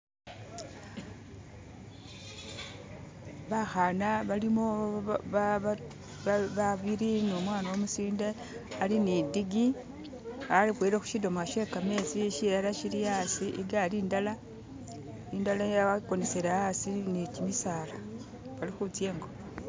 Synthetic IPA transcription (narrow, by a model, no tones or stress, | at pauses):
βaxanaβalimo | βaβiɾinomwaːnawomusiːnde | alinidiɡi | alixweɾexu̥ʃidomaʃe̞kame̞siʃiɾalaʃiɾijasiʔiɡaliːndala | indalajaakoneseɾaasinicimisala | βalixut͡sje̞ːŋɡo